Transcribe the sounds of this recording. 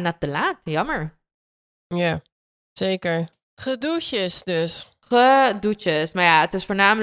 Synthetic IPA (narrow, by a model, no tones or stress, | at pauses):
natəlaːtjɑməɹ | ja | z̥ejkəɹ | χədut͡ʃəsdøs | χədut͡ʃəsmaːɹjaətɪsfoːɹnaːmə